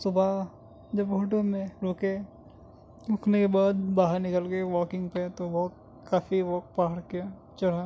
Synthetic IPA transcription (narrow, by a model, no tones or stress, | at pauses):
sʊbʱa | d͡ʒɐbɦoːʈ̬õmẽɾoːke | ɾoːknekebaːd̪̚baːɦəɾnɪkəlkeʋɔːkɪ̃ŋɡpet̪oʋɔːkː | aːfiʋɔːk̚paːɾkea | t͡ʃɐɽa